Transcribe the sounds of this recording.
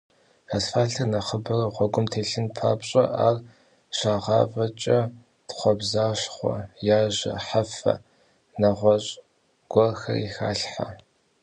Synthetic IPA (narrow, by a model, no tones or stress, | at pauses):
asfaːɬʰɐnɐχəbɐrɐʁʷɔɡʷʼʊmtʰeːɬɨnpʰaːpɕʼɐ̰ʔaːr | ɕaːʁɑːvʼɐt͡ʃʼɐ | tχʷɔbzaːɕχʷɔ̰jaːʑɐ̰ħafɐ̰ | nɐʁʷɔɕʼ | ɡ̥ʷɔrxɐ̰rixa̰ːɬħa̰